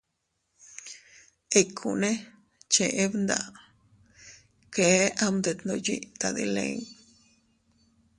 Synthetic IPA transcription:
e˧kʰṵ˨nẽ˦ | t͡ʃe˧ʔe˦βnd̪a̰˧ʔ | ke˨˦a˦˧md̪e˧t̪no˧jḭ˦ʔt̪a˧d̪ḭ˧lḛ˧ŋ

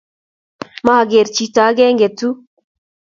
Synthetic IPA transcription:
ma˦ha˨ɡe˨ɾt͡ʃi˦ta˨˦ɡɛ˦ŋɡɛ˨tu˦

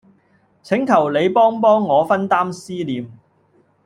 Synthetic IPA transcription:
t͡sʰɪ˨˥ŋkʰɐ˨˩wle˨˧jpɔː˥ŋpɔː˥ŋːɔː˨˧fɐ˥nt̪aː˥msiː˥liː˨m

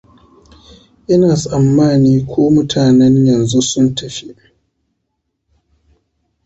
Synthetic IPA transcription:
ʔɪ˦naː˨sʼɐ˨mːaː˦˨niː˦kʷʰoː˦mʊ˦tʰaː˨nɛ˦ɲjɐ˨nzu˦sʊ˦ntɐ˨ɸi˦ʔ

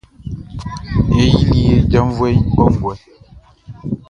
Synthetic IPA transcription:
e˦ji˦li˦je˦d͡ʒa˦m˦vwe˦bɔ˦ŋ˨ɡwɛ˦

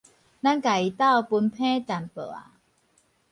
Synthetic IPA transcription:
na˥˩ŋka˨˩jt̪a˥˩wpu˧npʰɛː˥˨t͡ɕa˨˩npɤ̰˨˩a̰˧˩

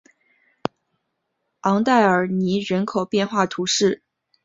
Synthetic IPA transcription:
ɑ˧˥ŋt̪a˥˩ɪə˞˨˩ni˧˥ɻə˧˥nkʰo˨˩ʊpjɛ˥˧nxwa˥˩t̪ʰu˧˥ʂɻ̩˥˩

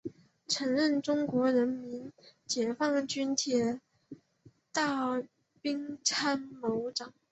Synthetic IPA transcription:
ʈ͡ʂʰɤ˧˥ŋɻə˥˩nʈ͡ʂʊ˥ŋkwɔ˧˥ɻə˧˥nmi˧˥nt͡ɕjɛ˨˩fɑ˥˩ŋt͡ɕy˥nt̪ʰjɛ˨˥˩ | t̪ɑ˥˩ʊ | pi˥ŋʈ͡ʂʰa˥nmo˧˥ʊʈ͡ʂɑ˨˩˦ŋ

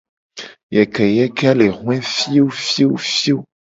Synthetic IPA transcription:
jɛ˨kɛ˨jɛ˦kɛ˦a˦le˨ɦw̃ɛ̃˦fi˦o˦fi˦o˦fi˦o˦

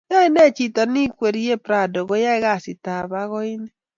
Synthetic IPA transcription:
a˦i˦ne˦˨t͡ʃi˨tɔ˨ni˦kʷe˨ɾi˦je˦pɾa˨do˨ɣo˦ja˦i˦ɣa˦˨si˨ta˨βa˦ɣɔ˦i˦ne˦

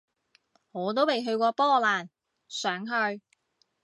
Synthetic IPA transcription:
ŋɔː˨˧t̪̬o˥wpe˨jɦɵ˧ɥkɔː˧pɔː˥laː˨˩n | sœː˨˥ŋɦɵ˧ɥ

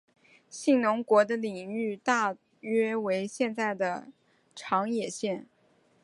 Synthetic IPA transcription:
ɕi˥˩ŋnʊ˧˥ŋkwɔ˧˥d̪ə˧li˨˩ŋy˥˧t̪a˥˩ | ɥɛ˥we˧˥ɪɕjɛ˥˧nt͡sa˥˩ɪd̪ə˩ | ʈ͡ʂʰɑ˧˥ŋjɛ˨˩ɕjɛ˥˩n

